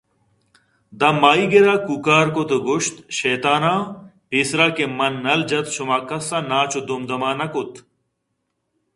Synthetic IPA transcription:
d̪amaːiɡeɾaːkukaːɾkot̪əɡuɕt̪ɕeːt̪aːnaːpiːsɾaːkemɐnːɐld͡ʑɐt̪ʃumaːkɐsanaːt͡ɕʰod̪omd̪ɐmaːnɐkot̪

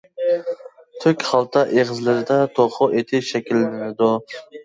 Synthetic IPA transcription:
t̪ʰykʲχɑlˠt̪ʰɑʔeʁɨzlɪɾɪd̪ɛt̪ʰoχʰʊʔet̪ʰɪʃʃɛkʲilːɪnɪd̪ʊ

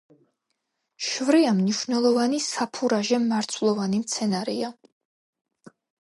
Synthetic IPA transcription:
ʃvɾiamniʃvnɛlˠɔvanisapʰuɾaʒɛmaɾt̪sʰvlˠɔvanimt̪sʰɛnaɾḭa

